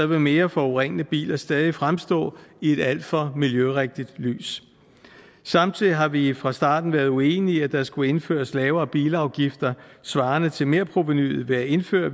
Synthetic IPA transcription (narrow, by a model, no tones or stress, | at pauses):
ɐʋe̝me̝ːɐfɒoʁeŋ̰nəb̥ḭːlɐsd̥ɛːð̞ˠifʁamsd̥ɔ̰̽ːie̝d̥æl̰d̥fɒ̽miljøʁeɡ̥̚d̥id̥ly̰ːs | sɑ̈m̰t͡sʰiðˠiɦɑ̈ʋifʁɑ̈sd̥ɑ̈ːd̥n̩ʋæːɐðˠuḛːniæd̥ɑ̈sɡ̥ue̝nfø̰ːɐslɛːʊɐːb̥ḭːləɑ̈ʊɡ̥ifd̥ɐsʋɑ̈ːnət͡sʰe̝lme̝ɐ̰pʰʁoʋe̝ny̰ð̩ˠʋe̝æe̝nfø̰ːɐ